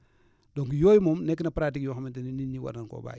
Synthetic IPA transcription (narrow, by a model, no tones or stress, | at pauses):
doŋkjoːjmomnɛk̬ːinapɾatikjoxamintininiɲiwa̰naŋko̰ːba̰ː